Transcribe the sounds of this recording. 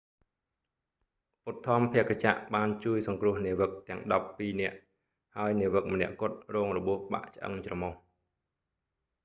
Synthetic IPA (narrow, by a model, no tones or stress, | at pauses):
ʔut̪ʰːɑ̆əmpʰɛ̆əkːat͡ɕa̰ʔɓaːnt͡ɕuəjsɑŋkrʊ̆əhniəʋək̚t̪ɛ̆əŋɗɑpːiːnɛ̆əʔ | haəjniəʋək̚mə̆nɛ̆əʔkʊ̆ət̪̚rɔːŋrɔɓuəhɓa̰ʔt͡ɕ̆ʔə̰ŋt͡ɕrɑmɔh